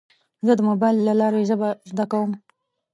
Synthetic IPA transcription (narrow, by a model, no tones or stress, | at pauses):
zəd̪əmobɑjlːalɑɾezəbazd̪akawəm